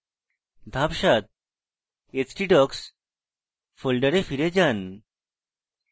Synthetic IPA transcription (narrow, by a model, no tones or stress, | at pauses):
d̪ʱapɕat̪̚ | et͡ɕʈiʈɔks | folɖəɾefiɾed͡ʑan